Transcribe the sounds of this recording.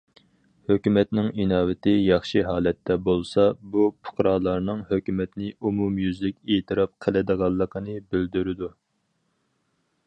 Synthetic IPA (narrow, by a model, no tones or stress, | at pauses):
høkʲymɛt̪nɪŋinɑːwɪt̪ɪjɑχʃiɦɑːlɛt̪ʰːɛbolˠsɑbupʰʊ̥qɾɑːlˠɑɾnɨŋhøkʲymɛt̪nɪʔumumjyzlɪkʲet̪ʰɨɾɑp̚qʰəlɨd̪əʁɑlˠːəqʰənɨbyld̪yɾɪd̪u